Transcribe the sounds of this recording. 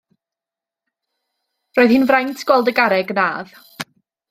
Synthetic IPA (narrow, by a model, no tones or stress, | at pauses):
roːɨðhɨnvrajntʰɡ̥wɛlˠdəɡaɾɛɡnaːð